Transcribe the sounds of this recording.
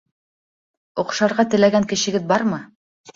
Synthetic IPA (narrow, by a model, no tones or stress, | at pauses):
ŏqʃɑɾʁɑt̪ɘ̆læɡæŋkɘ̆ɕɘ̆ɡɘðbɑɾmɤ